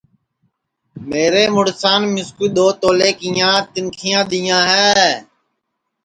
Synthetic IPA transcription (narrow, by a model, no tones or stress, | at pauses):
meːɾeːmʊɽsaːnmɪskuːɗ̪oːt̪oːleːkijãːt̪ɪnkʰɪjãːɗ̪iːjãːɦɛː